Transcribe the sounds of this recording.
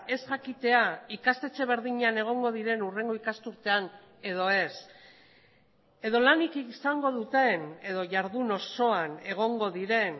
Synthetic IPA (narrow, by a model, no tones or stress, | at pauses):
e̞sʝakit̪e̞aikast̪e̞t͡se̞β̞e̞ɾðiɲeane̞ɣ̞o̞ŋɡo̞ð̞iɾe̞nure̞ŋɡo̞ikast̪uɾt̪e̞an | e̞ð̞o̞e̞s | e̞ðo̞lanikisaŋɡo̞ðut̪e̞ne̞ðo̞ʝaɾðuno̞so̞ane̞ɣ̞o̞ŋɡo̞ðiɾe̞n